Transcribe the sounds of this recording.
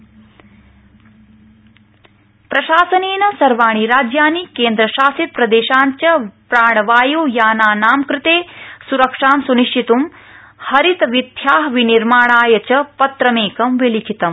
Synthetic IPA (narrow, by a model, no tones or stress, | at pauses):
pɾɐʃaːsɐneːnɐsɐɾʋaːɳ̃iɾaːd͡ʒjaːnikeːnd̪ɾɐʃaːsit̪̚pɾɐd̪eːʃaːɲt͡ʃɐpɾaːɳ̃ɐʋaːjoːjaːnaːnaːmkɾɪt̪eːsuɾɐkʂaːmsuniʃʈʰit̪um | hɐɾit̪ʋid̪ʱjaːɦʋiniɾmaːɳaːjɐt͡ʃɐpɐt̪ɾɐmeːkɐmʋilit͡ʃit̪ɐm